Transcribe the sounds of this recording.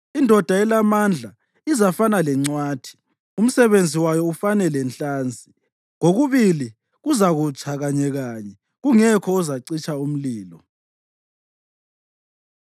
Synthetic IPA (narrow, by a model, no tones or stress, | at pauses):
indʱɔd̥ʱaɛlamand͡ɮʱa | izafanalɛŋ͡ǀwaːtʰi̥ | um̩sɛβend͡zʱiwajɔufanɛlɛnɬaːnd͡zʱi | ŋoɣuβili | ɣuzaɣut͡ʃʰaɣaɲɛɣaːɲɛ | ɣuŋɛkʰɔɔzaǀit͡ʃʼaum̩liːlɔ